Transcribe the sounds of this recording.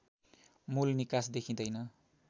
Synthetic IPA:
mulnikasd̪ekʰĩd̪ʌjnʌ

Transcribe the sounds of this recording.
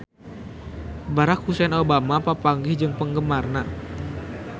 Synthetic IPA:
baɾak̚husɛnobamapapaŋɡɪhd͡ʒɨŋpəŋɡəmarna

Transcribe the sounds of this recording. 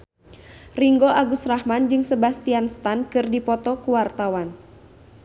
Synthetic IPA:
riŋɡoaɡusrahmand͡ʒɨŋsəbast̪ianst̪ankɨrdipɔt̪ɔkuwart̪awan

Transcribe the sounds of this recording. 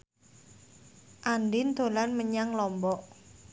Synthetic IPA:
ʔandɪnd̪o̤lanməɲaŋlɔmbɔʔ

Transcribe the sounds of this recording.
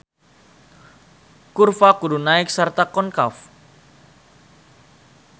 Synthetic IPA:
kurfakuɾunaɪk̚sart̪akɔnkaf

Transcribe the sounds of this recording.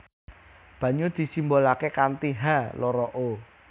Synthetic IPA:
b̥ä̤ɲud̪̥i̤simbolakekant̪iɦalɔɾɔʔo

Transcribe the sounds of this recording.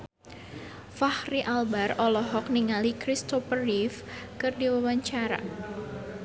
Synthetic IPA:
fahriʔalbarɔlɔɦɔkniŋalikɾist̪ɔfərifkɨrdiwawaɲt͡ʃaɾa̰

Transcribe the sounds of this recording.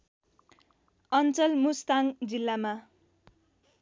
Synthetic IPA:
ʌnt͡sʌlmust̪aŋd͡zilːama

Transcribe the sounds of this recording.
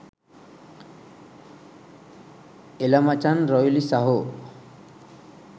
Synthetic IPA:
elamat͡ʃanɾɔjlisaɦo

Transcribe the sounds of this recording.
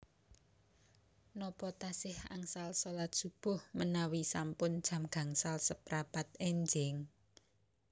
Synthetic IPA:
nɔpɔt̪asɪha̰ŋsalsolat̪̚ʒ̥ṳb̥ʊ̤hmənawisampʊnd̥ʒ̥a̤mɡ̥a̤ŋsalsəpɾapat̪̚ɛɲd͡ʒɪŋ

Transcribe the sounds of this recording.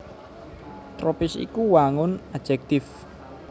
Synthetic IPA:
t̪ɾɔpɪsḭkuwaŋʊnad̥ʒ̥ɛk̚t̪ɪf

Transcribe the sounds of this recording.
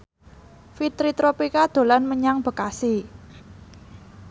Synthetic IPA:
fit̪ɾit̪ɾopikad̪̥o̤lanməɲaŋb̥ə̤kasi

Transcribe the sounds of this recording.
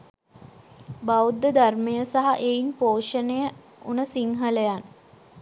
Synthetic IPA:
baud̪ːəd̪armejəsaɦaʔeinpoːʂənejə | unəsiŋɦələjan

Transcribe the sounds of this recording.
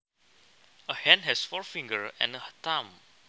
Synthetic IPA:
əhɛ̃nɦɛsfɔɹfĩŋɡəɹɛ̰̃nəht̪ãm

